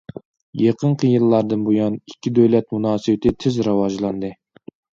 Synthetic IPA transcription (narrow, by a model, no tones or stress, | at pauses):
jeqəɴqʰəjɨlˠːɑɾd̪ɨnbujɑnikʲʰːid̪øwlɛt̪munɑːsɨbɪt̪ʰɪt̪ʰɪzɾɑwɑʒlˠɑnd̪ɨ